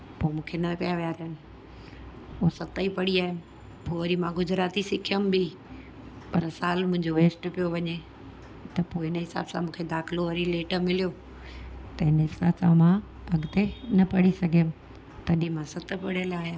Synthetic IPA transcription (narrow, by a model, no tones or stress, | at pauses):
poːmũːkʰenɐkɐjaʋijaːɾɦənɪ̆ | osɐt̪əipɐɽiaːɦɪmɪ | poːʋɐɾimãɡʊd͡ʑɾaːt̪isɪkʰiəmbi | pɐɾsaːlmʊ̃ɦɪ̃ɲd͡ʑoʋeːsʈpijoʋɐɲe | t̪ɐpoːɪnəɦɪsa̰ːbsãmũːkʰed̪aːxɪloʋɐɾileːʈə̆mɪlijo | t̪ɐɦɪnəɦɪsaːbsãmã | ɐɡt̪enɐpɐɽisɐɡʱijəmɪ | t̪ɐɗĩmãsɐt̪̆pɐɽiəlaːɦja